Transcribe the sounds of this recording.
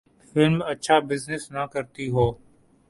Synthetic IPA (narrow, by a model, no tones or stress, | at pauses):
fɪlmɐtːʃʰabɪznɪsnɐkɐɾt̪iɦoː